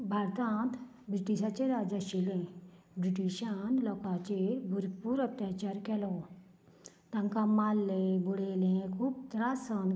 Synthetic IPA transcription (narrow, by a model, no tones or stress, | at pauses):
bʱaːɾt̪ãːnt̪ | bɾiʈiʃaːt͡ʃeɾaːd͡ʒaʃilẽ | bɾiʈiʃanlɔːkat͡ʃebʱuɾpuɾɐt̪jaːt͡ʃaːɾkɛlo | t̪ɐ̃ŋkamaːlːebuɽeːlẽkʰuːb̚t̪ɾaːsən